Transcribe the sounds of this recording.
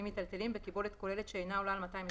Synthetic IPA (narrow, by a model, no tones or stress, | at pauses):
imːit̪alt̪e̞limbekibo̞let̪ko̞le̞let̪ʃeːjnaolalmat̪ajime